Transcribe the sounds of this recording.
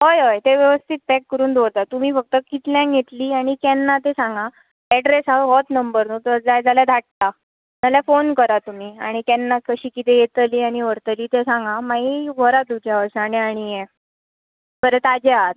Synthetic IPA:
ɦojɦojt̪eʋjəʋəst̪ʰit̪̚pɛkːəɾuːnd̪ʱoɽt̪at̪um̤iːfək̚t̪əkit̪ljãɡʱet̪liːaɽ̃ikɛnːat̪esãŋɡa | ɛɖɾesaɦɔt̪nəmbəɾnut̪əɾd͡zajd͡zaljad̪ʱaʈ̚t̪a | d͡zaljafonkəɾat̪um̤iːa̰ɽ̃ikɛnːakəɕiːkit̪ejet̪liːaɽ̃iʋəɾt̪əliːt̪esãŋɡamaɦiɡʱɔɾad̪ud͡ʑjaʋəɾɕaneaɽ̃ije | bəɾet̪ad͡ʑeaɦat̪̚

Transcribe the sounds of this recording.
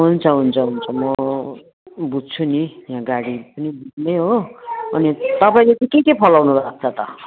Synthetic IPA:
ɦunt͡sʰʌɦunt͡sʰʌɦunt͡sʰʌmʌ | bud͡zt͡sʰunijãɡaɽipʌnibud͡znʌjɦoʌnit̪ʌpaĩlet̪ikekepʰʌlawnubak̚t͡sʰʌt̪ʌ̰

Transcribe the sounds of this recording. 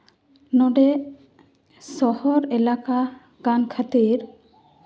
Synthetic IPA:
nɔɖɛ | sɔhɔɾɛlaka | ɡ̥ankʰat̪iɾ

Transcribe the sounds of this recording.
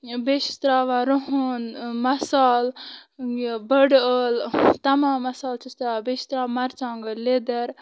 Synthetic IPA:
beʃi̥st̪ɾaːʋaɾoɦunmɐsaːl | bəɖəːlt̪ɐmãːmːɐsaːlt͡ʃist̪ɾaːabeʃi̥t̪ɾaːmɐɾt͡ʃãːŋɡəled̪ɐɾ

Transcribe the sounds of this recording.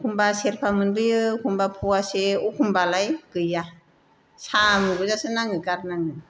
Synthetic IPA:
kʰumbaseɾpʰamɯnbɯjɯkʰumbapʰuaseukʰumbalajkɯja | sʰamɯɡuzasɯnaŋɯkaɾnaŋɯ

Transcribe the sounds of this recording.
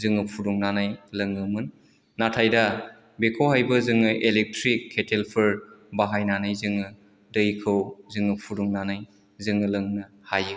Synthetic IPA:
zɯŋɯpʰudɔŋnanajlɐŋɯmɯnː | atʰajda | bekʰoɦajbɐzɯŋɯʔelek̚tɾikʰːetʰelpʰɯɾbaɦajnanajzɯŋɯ | dɐjkʰɯwzɯŋɯpʰudɔŋnanaj | zɯŋɯlɯŋnɯ | hajɯ

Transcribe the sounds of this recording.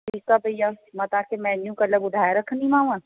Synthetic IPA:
ʈʰiːkkabʱɐjamɐt̪ãːkemɛ̃ːnjũkɐləbʊd̪ʱaːjɾɐkʰnĩmãːũãː

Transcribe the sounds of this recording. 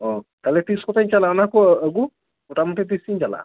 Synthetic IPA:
ɔt̪alɛt̪iskɔtajɲt͡ʃalaɔnakɔəɡu | ɔʈamɔtɛt̪isiɲd͡ʒala̰

